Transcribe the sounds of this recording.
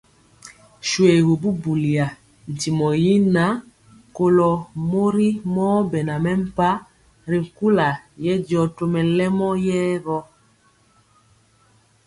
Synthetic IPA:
ʃwe˨ɣo˨bu˦bu˨li˨a˨ | n̩˨ti˨mɔ˨ji˦na˦ | ko˦lɔ˨mo˦ɾi˦mɔː˦bɛ˨na˨mɛ˦m̩˦pa˦ | ɾi˨ku˦la˨jɛ˦djɔ˨to˦mɛ˨lɛ˦mɔ˦jɛː˦βɔ˦

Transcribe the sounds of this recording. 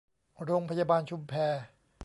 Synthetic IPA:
ɾoː˧ŋpʰa˧jaː˧baː˧nt͡ɕʰu˧mpʰɛː˧

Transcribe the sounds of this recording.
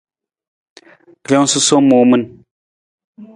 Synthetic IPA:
ɾjɔ˦ŋ˦su˦so˦mo˨mɨ˦n

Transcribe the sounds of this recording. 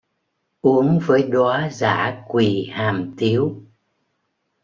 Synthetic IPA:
ʔu˨˦əŋvəː˨˦jɗwaː˨˦za̰ː˧˩˥kwi˨˩haː˨˩mt̪i˨˦əw

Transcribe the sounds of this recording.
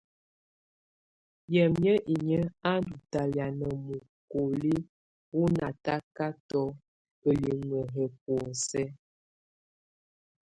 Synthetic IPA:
jɛ˨mjə˦ʔi˨ɲə˦a˦ndu˨ta˨lja˨nə˨mu˨ | ko˨li˦ | wu˦na˨ta˦ka˦tɔ˦ | ə˨li˨ŋə˨ɦɛ˨p̚wɔ˨sɛ˦

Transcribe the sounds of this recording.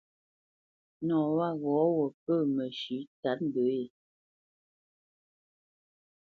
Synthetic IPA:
nɔ̃ː˨wa˦˨ɣɔ˨˦wɔ˨p̚ə˦˨mə˨ʃʉ˨˦ta˨˦p̚m̩˨bə˨˦je˨

